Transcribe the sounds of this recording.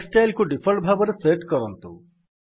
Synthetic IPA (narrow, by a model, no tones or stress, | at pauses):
sʈajlkuɖipʰɐɭʈbʱaːbɐɾeseːʈkɐɾont̪ṵ